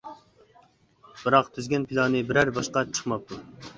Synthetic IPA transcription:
b̥ɨɾɑqt̪ʰyzɡʲɛnpʰilˠɑnɨbɪɾæɾbɑʃqɑt͡ʃʰə̥χmɑp̚t̪ʰu

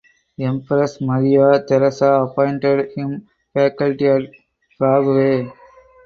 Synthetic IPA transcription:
ɛ̃mpɾɐsmɐɾijaːt̪ɛɾɐsaɐpɔ̃ɪ̃ɳʈeɖhɪ̃m | fæːkəlʈiaʈ | pɾaːɡʋeː

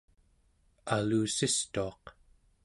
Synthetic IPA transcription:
aluːsist̪uɑq

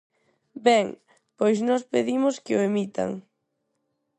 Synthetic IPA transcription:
bɛŋ | pojsnɔspeðimʊskɪʊemit̪a̰ŋ

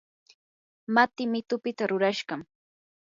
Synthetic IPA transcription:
mat̪ɪmɪt̪ʊpɪt̪aɾʊɾaʃɢɑm

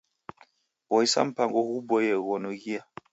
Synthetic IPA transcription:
ɣɔisa̰m̩paŋɡɔhubɔjɛɣɔnɔɣia

